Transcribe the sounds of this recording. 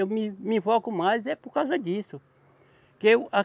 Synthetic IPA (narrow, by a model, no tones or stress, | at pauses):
ewmɪmĩfɔkʊmajzɛpoɾkawzɐd̪isʊ | kɪewa